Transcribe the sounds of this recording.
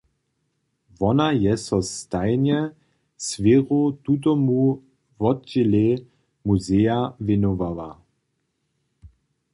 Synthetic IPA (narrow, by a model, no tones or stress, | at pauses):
vɔnajɛsɔst̪ajnjɛ | sveʁot̪ut̪̬ɔmu | vɔt͡ɕele | muzejavɪnɔvawa̰